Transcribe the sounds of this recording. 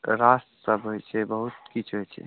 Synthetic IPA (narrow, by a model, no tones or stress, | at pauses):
ɾassəbɦojt͡ʃʰɛbəɦut̪̚kit͡ʃʰɦojt͡ʃʰɛ̰